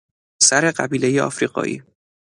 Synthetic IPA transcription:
sæɾe̞ɢæbiːle̞jeɒ̰fɾiːɢɒ̰ːʔḭː

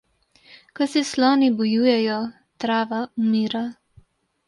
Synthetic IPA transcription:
kɔsɛslɔːnibɔjuːjɛjɔ | t̪ɾaːʋaumiːɾa

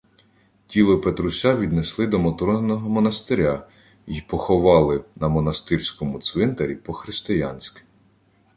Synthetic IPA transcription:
tʲilˠɔpet̪ɾʊsʲɑʋʲid̪neslˠɪd̪ɔmɔt̪ɾɔnnɔɦɔmɔnɐst̪ɪɾʲa | jipɔxɔʋɑlˠɪnɐmɔnɐst̪ɪrʲsʲkɔmʊt̪sʋɪnt̪eɾʲipɔxɾɪst̪ɪjɑ̰nʲsʲkɪ̥

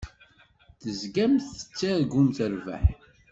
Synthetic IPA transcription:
θəzɡæmθə̥t͡sːaðɡunt̪əɾvæ̰ħ

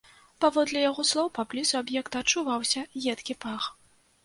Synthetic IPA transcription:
pavɔd̪lʲɛjaɣɔslˠɔwpablʲizuabjɛkt̪ɐt͡ʂːuvawsʲɐɣʲɛt̪kʲipax

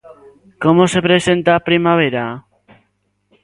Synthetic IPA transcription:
ko̞mose̞pɾe̞se̞nt̪apɾimaβ̞e̞ɾa

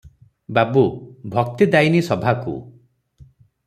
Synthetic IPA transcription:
babubʱɔk̚t̪id̪ajnisɔbʱakṵ

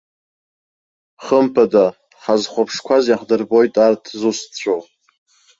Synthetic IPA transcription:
χəmpʰada | χazχʷapʰʂkʷʰazjaχdɨrbo̞jtʼartʰzust͡ɕʷʰow

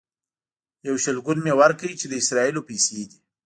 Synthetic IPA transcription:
jawʃəlɡunmewaɾkawit͡ʃed̪əɪsɾɑilopejsed̪i

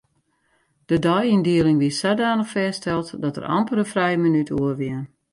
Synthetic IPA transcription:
d̥ədɔjindiəlɪŋʋiəsadaːnəxfɛːstɛlˠtdɔtə̰rɔ̰mpərəfrɛjəmənytuərʋiən

